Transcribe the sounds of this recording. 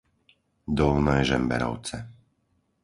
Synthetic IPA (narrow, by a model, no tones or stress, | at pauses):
d̪ɔlnɛːʒɛmbɛ̰ɾɔ̰ʊt͡sɛ